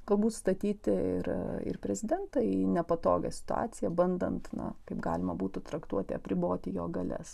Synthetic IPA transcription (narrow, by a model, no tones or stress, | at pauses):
ɡ̥ɐlˠbuːt̪st̪ɐt̪ʲiːt̪ʲɪɪ̰ɾɪ̰rpʲɾʲɛzʲɪd̪ʲɛnt̪ɐɪnʲɛpɐt̪o̰ːɡɐsʲɪ̥t̪ʊɑ̰ːsʲɪjɛbɐnd̪ɐ̰nt̪nɐ̰kɐɪpɡɑ̰ːlʲɪmɐbuːt̪ʊt̪ɾɐkt̪uɔt̪ʲɪɐpʲɾʲɪboːt̪ʲɪjoːɡɐlʲɛ̰s